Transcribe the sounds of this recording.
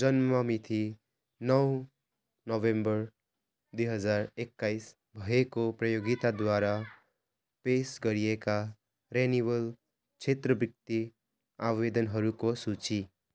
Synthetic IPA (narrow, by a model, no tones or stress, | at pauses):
d͡zʌnmʌmit̪ʰi | nʌw | nʌbembʌɾ | d̪ujɦʌd͡zaɾekːajs | bʱʌɦekoprʌjoɡit̪ad̪waɾa | pesɡʌɾijeka | ɾenibʌl | t͡ʃʰet̪ɾʌbjʌk̚t̪i | abwed̪ʌnɦʌɾukosut͡ʃi